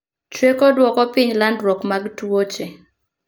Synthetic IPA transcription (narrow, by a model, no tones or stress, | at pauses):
t͡ʃwekodwɔkɔpɪɲlandɾɔkmaɡtuwot͡ʃe